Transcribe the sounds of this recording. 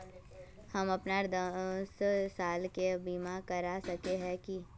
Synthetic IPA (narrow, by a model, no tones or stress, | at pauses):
hɐmɐpnaɾd̪ssaːlkebiːmakɐɾasɐkeɦɛ̃ki